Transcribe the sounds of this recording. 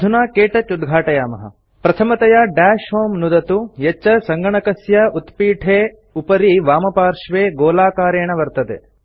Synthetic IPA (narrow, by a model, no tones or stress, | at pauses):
d̪ʱunaːkeːʈɐt͡ʃud̪ɡʱaːʈɐjaːmɐɦɐ̰ | pɾɐt̪ʰɐmɐt̪ɐjaːɖaːʃɦoːmnud̪ɐt̪ujet͡ʃːɐsɐŋɡɐɳɐkɐsjɐut̪piːʈʰeː | upɐɾiʋaːmɐpaːɾʂʋeːɡoːlaːkaːɾeːɳɐʋɐɾt̪ɐd̪ḛ